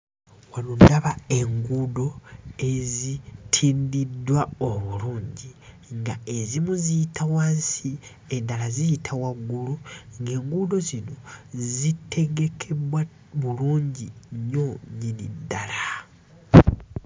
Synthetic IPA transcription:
wanondaβae̞ŋɡudo̞e̞zitʰiːndidwaoβuluːɲɟi | ŋɡae̞zimuzijitʰawaːnsi | endalazijitʰawaɡːuluŋɡe̞ːŋɡudo̞zino̞zitʰe̞ɡe̞kʰe̞βwa | βuluːɲɟiɲo̞ɲinḭdːala

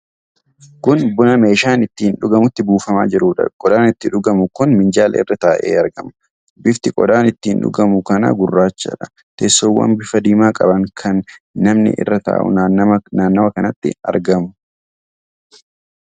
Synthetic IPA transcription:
kʊnbʊnɐme̞ːʃaːnɪt̪ːiːnᶑʊɡɐmʊt̪ːɪbuːfɐma̰ːd͡ʒɪɾuːᶑɐ̰kʼɔd̪aːnɪt̪ːɪᶑʊɡɐmʊkʊnmɪnd͡ʒaːlʔɐ̰ɪ̰rːɐt̪aːʔḛːɐɾɡɐmʊ̥ | bɪft̪ɪkʼɔd̪aːnɪt̪ːiːnᶑʊ̰ɡɐmʊkɐnɐ̰ɡʊrːaːt͡ʃːɐ̰ᶑɐ | t̪esːoːwːɐ̰mbɪfɐd̪iːmaːkʼɐbɐŋkʰɐnː | ɐmnɪ̰ʔɪ̰rːɐt̪a̰ːʔʊ̰naːnnaːnːɐwɐkɐnɐt̪ːɪ̰ɐ̰ɾɡɐmʊ̥

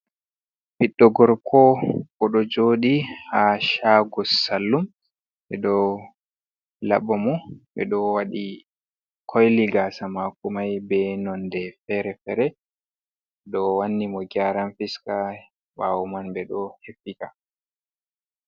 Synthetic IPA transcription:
piɗːɔɡɔɾkʰɔkɔɗɔd͡ʒoːɗihaʃaːɡɔsalːum | ɓɛɗɔ | la̰ɓɔmɔɓɛ̰ɗɔwaɗi | kʰɔjliɡaːsamakumajbɛnɔndɛfɛɾɛfɛɾɛ | ɗɔwanːimɔɡaɾanfiska | wawumanbɛɗɔhefːika

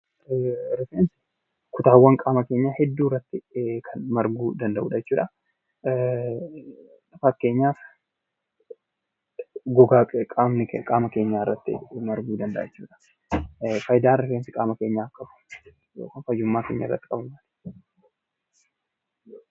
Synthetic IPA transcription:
ɾɪfeːnsɪ | kʊt̪aːwːɐŋkʼaːmɐke̞ːɲːaːhɛd̪ːuːrːɐt̪ːɪkʰɐnmɐɾɡuːd̪ɐnd̪ɐʔṵːᶑɐjɛt͡ʃːuːᶑɐ | lɐfɐkːe̞ːɲːaːf | ɡɔɡaːkʼkʼaːmnɪkʼaːmɐkeːɲːaːrːɐt̪ːɪ̰mɐɾɡuːd̪ɐnd̪ɐ̰ʔjɛt͡ʃːuːᶑɐ̥ | fɐjd̪aːɾɪfeːnsɪkʼaːmɐke̞ːɲːaːkʼːɐbʊ̥ | jo̰ːkɐnfɐjʊmːaːke̞̰ːɲːɐ̰rːɐt̪ːɪ̥kʼɐbʊmat̪

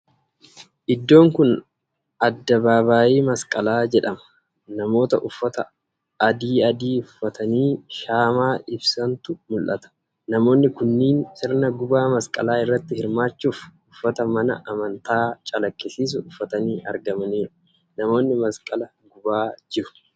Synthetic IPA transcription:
ʔɪd̪ːo̞ːŋkʊn | ɐd̪ːɐbaːβaːʔiːmɐskʼɐlaːd͡ʒɛᶑɐmɐ̥ | nɐmo̞ːt̪ɐʔʊfːɐt̪ɐ̰ | ɐd̪iːɐd̪iːʊfːɐt̪ɐniːʃaːmaːʔɪbsɐnt̪ʊmʊlʔɐt̪ɐ̥ | nɐmo̞ːnːɪkʊnːiːnsɪɾnɐɡʊbaːmɐskʼɐ̰laːɪrːɐt̪ːɪhɪɾmaːt͡ʃːuːfʊfːɐt̪ɐmɐnɐ̰ʔɐmɐnt̪aːt͡ʃʼɐlɐkʼːɪsiːs̬ʊʊfːɐt̪ɐniːʔɐ̰ɾɡɐmɐniːɾʊ̥ | nɐmo̞ːnːɪmɐskʼɐlɐ | ɡʊbaːd͡ʒɪɾʊ̥

